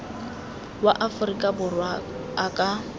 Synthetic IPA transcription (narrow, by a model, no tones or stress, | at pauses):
waʔafʊrikʼabʊrwa | akʼa